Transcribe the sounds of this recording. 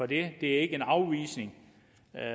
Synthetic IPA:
ɒ̽d̥e̝d̥e̝æɐe̝ɡ̥əenɑ̈ʊʋḭːsne̝ŋ

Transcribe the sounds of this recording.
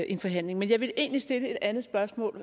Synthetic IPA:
ʔe̝nfɒ̽ɦæn̰le̝ŋmenjɑ̈ɪʋe̝lʔe̝̰ːnlisd̥e̝ləe̝d̥ænðˠsb̥ɶɐsmɔ̰ːl

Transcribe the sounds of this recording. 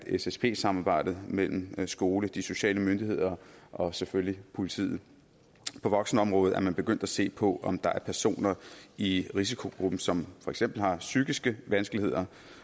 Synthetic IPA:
esespʰe̝̰ːsɑ̈mɑːb̥ɑ̈ɪ̰d̥ð̩ˠmel̰m̩sɡ̥o̝ːləd̥iso̝ɕɛ̰ːləmønd̥ihe̝ð̞̰ˠɐʔɒ̽seføllipʰo̝lit͡sʰḭːð̩ˠ | pʰɒ̽ʋɒ̽ɡ̥sn̩əɒ̽mʁɔ̽ːð̩ˠʔæɐmænb̥e̝ɡ̥øn̰d̥æse̝̰ːpʰɒ̽ʔɒ̽md̥ɑ̈æɐpʰæɐso̝̰ːnɐiʁis̬ikʰo̝ɡ̥ʁub̥n̩sɒ̽mfɒ̽eɡ̥sem̰b̥l̩hɑ̈syɡ̥isɡ̥əʋænsɡ̥əlihe̝ð̞̰ˠɐ

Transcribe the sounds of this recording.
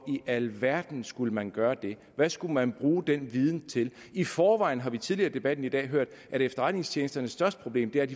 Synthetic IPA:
iʔælʋæɐ̰d̥n̩sɡ̥uləmænɡ̥ɶːɐd̥e̝ | ʋæsɡ̥umænb̥ʁuːd̥enʋið̞ˠn̩t͡sʰe̝l | ifɒːʋɑ̈ɪ̰n̩ɦɑ̈ʋit͡sʰið̞ˠliɐːd̥e̝b̥æd̥n̩id̥ɛ̰ːɦøɐ̰d̥ʔæɐdefd̥ɐʁad̥ne̝ŋst͡ɕʰjeːnsd̥ɐnəsːd̥ɶɐsd̥ə̥pʰʁo̝b̥le̝̰ːmd̥e̝æɐd̥i

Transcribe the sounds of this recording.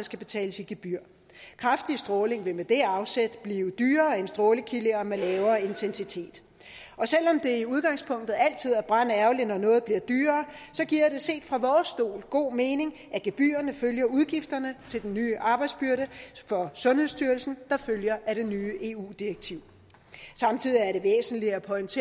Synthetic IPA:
sɡ̥æb̥e̝t͡sʰɛ̰ːləsiɡ̥e̝b̥yɐ̰ | kʰʁɑ̈fd̥isd̥ʁɔːle̝ŋʋe̝med̥e̝ɑ̈ʊsed̥b̥liːʊd̥yːɐːe̝nsd̥ʁɔːləkʰiləɒmelɛːʊɐːe̝nt͡sʰensit͡sʰe̝̰ːd̥ | ɒ̽sel̰ɒ̽md̥e̝iuð̞ˠɡ̥ɑ̈ŋspʰɔ̽ŋ̰d̥ð̞̩ˠæl̰t͡sʰið̰ˠæb̥ʁɑ̈n̰əæɐʊlinɒ̽nɔ̽ːð̩ˠb̥liɐ̰d̥yːɐːsɒ̽ɡ̥iɐ̰ɾ̥e̝se̝̰ːd̥fʁɑ̈ʋɒːsd̥o̝̰ːlɡ̥o̝̰ːme̝ːne̝ŋ | æɡ̥eb̥y̰ːɐnəføljɐuðˠɡ̥ifd̥ɐnət͡sʰe̝ld̥enːyːʔɑ̈ːb̥ɑ̈ɪ̥sb̥yɐɾəfɒ̽sɔ̽nhe̝ðˠsd̥yɐlsn̩d̥ɑ̈føljɐʔæɾ̥e̝nyːəʔe̝ːṵːd̥ieɡ̥̚t͡sʰiʊ̰ | sɑ̈mt͡sʰið̞̰ˠiæɐɾe̝ʋḛːsn̩liæpʰɒ̽ɪnt͡sʰe

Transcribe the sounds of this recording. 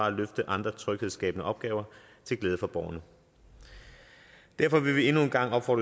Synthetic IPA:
ɑ̈æløfd̥əʔɑ̈nd̥ʁɐt͡sʰʁœɡ̥heðˠsɡ̥ɛ̰ːbənəʔɒ̽b̥ɡ̥ɛːʊɐ | t͡sʰe̝lɡleːð̞ˠəfɒ̽b̥ɒːnə | d̥æɐfɒ̽ʋe̝ʋie̝nue̝nɡ̥ɑ̈ŋ̰ɒ̽b̥fɒ̰ːd̥

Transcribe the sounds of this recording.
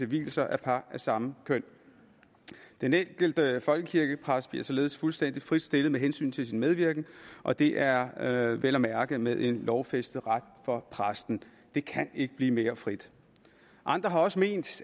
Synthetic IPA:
e̝ʋḭːl̩sɐʔæɐpʰɑ̈æɐsɑ̈məkʰøn̰ | d̥eneŋɡ̥əl̩d̥əfɒ̽lɡ̥əkʰiɐɡ̥əpʰʁasd̥̚b̥iɐsɒ̽le̝ːð̞̩ˠsfulsd̥en̰d̥ifʁid̥sd̥e̝lð̩ˠmeɦensy̰ːnt͡sʰe̝lsinmeð̞ˠʋiɐɡ̥n̩ʔɒ̽d̥e̝ʔæɐʋelɒmæɐɡ̥əmeðˠʔe̝nlɒʊfesd̥ð̩ˠʁad̥̚fɒ̽pʰʁasd̥n̩ | d̥e̝kʰæne̝ɡ̥əb̥liːme̝ːɐfʁid̥ | ʔɑ̈nd̥ʁɐɦɑ̈ɒ̽səme̝̰ːnd̥

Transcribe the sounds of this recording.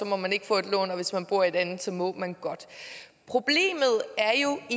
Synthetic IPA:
sɒ̽mɒ̽mæne̝ɡ̥əfɔ̰ːe̝d̥lɔ̰ːnɒ̽ʋe̝smænb̥uɐe̝d̥ænð̩ˠsɒ̽mɔ̰̽ːmænɡ̥ɒ̽d̥ | pʰʁo̝b̥le̝̰ːmð̞̩ˠæɐjo̝i

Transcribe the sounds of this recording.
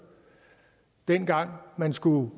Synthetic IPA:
d̥en̰ɡ̥ɑ̈ŋ̰mænsɡ̥u

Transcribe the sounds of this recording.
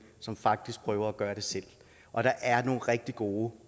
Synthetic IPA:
sɒ̽mfɑ̈ɡ̥̚d̥isɡ̥̚pʰʁœːʊɐæɡ̥ɶːɐɾ̥e̝sel̰ | ʔɒ̽ɾ̥ɑ̈ʔæɐno̝ːn̩ʁɛɡ̥̚d̥iɡ̥o̝ː

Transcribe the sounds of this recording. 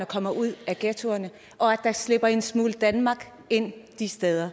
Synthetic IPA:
ɐkʰɒ̽m̰ɐʔuð̞̰ˠæɡ̥et͡sʰo̝ɐnə | ʔɒ̽æd̥ɑ̈sle̝b̥ɐe̝nsmuːld̥ænmɑ̈ɡ̥ | e̝n̰d̥isd̥eð̞ˠɐ

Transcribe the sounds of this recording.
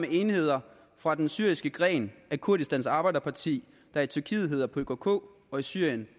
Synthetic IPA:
mee̝ːnhe̝ð̞̰ˠɐ | fʁɑ̈d̥ensyɐisɡ̥əɡ̥ʁɛ̰ːnækʰuɐdisd̥ænsɑ̈ːb̥ɑ̈ɪdɐpʰɑ̈t͡sʰḭː | d̥ɑ̈æɐt͡sʰyɐkʰḭːð̩ˠɦe̝ð̰ˠɐpʰɒ̽økʰokʰo̰ː | ɒ̽isyɐ̰jən

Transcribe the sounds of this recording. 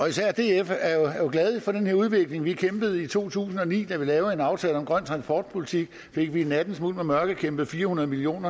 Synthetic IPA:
ɒ̽isæɐ̰d̥e̝ːefæɐjojo̝ɡ̥lɛð̞ˠifɒ̽d̥enheɐuð̞ˠʋe̝ɡ̥le̝ŋʋikʰemb̥ð̞̩ˠit͡sʰo̝̰ːt͡sʰṵːsn̩ɒ̽nḭːd̥æʋilɛːʊe̝nɑ̈ʊt͡sʰɛːlɒ̽mɡ̥ʁɶn̰t͡sʰʁɑ̈nspʰɒ̰ːd̥̚pʰolit͡sʰiɡ̥ | fe̝ɡ̥ʋienæd̥n̩smul̰ˠmemɶɐɡ̥əkʰemb̥ð̩ˠfiːɐhunɐð̞ˠmilio̝̰ːnɐ

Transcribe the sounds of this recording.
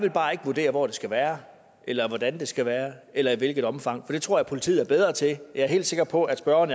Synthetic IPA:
jʋe̝lb̥ɑ̈ːe̝ɡ̥əʋuɐd̥e̝̰ːɐʋɒ̰d̥e̝sɡ̥æʋæːɐ | ʔelɐʋɒd̥ænd̥e̝sɡ̥æʋæːɐelɐiʋe̝lɡ̥ð̩ˠɒ̽mfɑ̈ŋ̰fɒ̽d̥e̝t͡sʰʁo̝ɐjɪpʰo̝lit͡sʰḭð̩ˠæɐb̥eð̞ˠʁɐt͡sʰe̝jɑ̈ɪɐɦe̝̰ːldse̝ɡ̥ɐpʰɒ̽ʔæd̥sb̥ɶɐɐnə

